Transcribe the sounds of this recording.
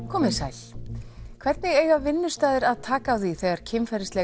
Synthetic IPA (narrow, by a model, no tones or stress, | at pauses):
kʰɔːmɪsajl̥ | kʰv̥ɛɾt̪nɪɣeːjɣavɪnːʏst̪aːðɪɾaðt̪ʰaːkaːwθiθɛːɣaɾ̥cʰɪmfɛɾɪslɛ